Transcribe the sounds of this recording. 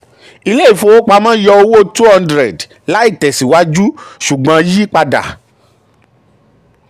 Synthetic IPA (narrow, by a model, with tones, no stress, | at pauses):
i˧le˦i˦˨fo˧˨wo˦k͡pa˧˦mã˦jɔ˧o˧wo˦tu˦hã˧ndɾɛ˨d | la˦i˦˨tɛ˨si˨wa˦d͡ʒu˦ʃu˨ɡ͡bã˧˦ji˦k͡pa˧da̰˨